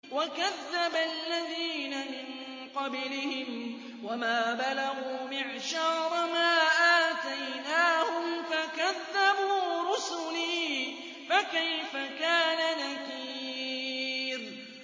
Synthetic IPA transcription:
wakaðːabalːaðiːnamɪn | qɑblɪhɪm | wamaːbalaɣuːmɪʕʃɑːɾˤmaːʔaːt̪ajnaːhʊmfakaðːabuːɾʊsʊliː | fakajfakaːnanakiː | ɾ

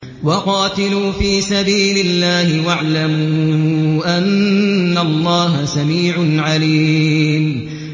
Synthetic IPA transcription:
wɑqɑːt̪ɪluːfiːsabiːlɪlːaːhɪwaʕlamuːʔanːalˤːɑːɦasamiːʕʊnʕaliːm

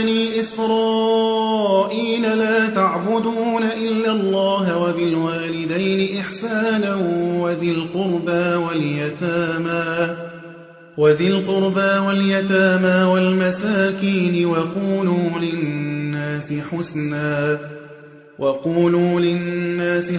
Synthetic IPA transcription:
niːʔɪsɾɑː | ʔiːlalaːt̪aʕbʊd̪uːnaʔɪlːalˤːɑːɦwabɪlwaːlɪd̪ajnɪʔɪħsaːnanwaðɪlqʊɾbaːwaljat̪aːmaː | waðɪlqʊɾbaːwaljat̪aːmaːwalmasaːkiːnɪwɑquːluːlɪnːaːsɪħʊsnaː | wʔɑquːluːlɪnːaːsɪ

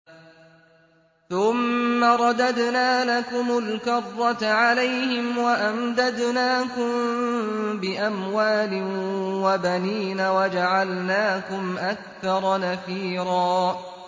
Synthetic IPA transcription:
θʊmːaɾˤɑd̪ad̪naːlakʊmʊlkɑrˤːɑt̪ʕalajhɪmwaʔamd̪ad̪naːkʊm | bɪʔamwaːlɪwabaniːnawad͡ʒaʕalnaːkʊmʔakθɑɾˤɑnaθiːɾɑː

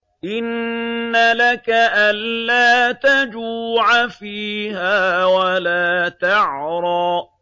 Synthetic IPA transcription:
ʔɪnːalakaʔanlaːt̪ad͡ʒuːʕafiːhaːwalaːt̪aʕɾˤɑː

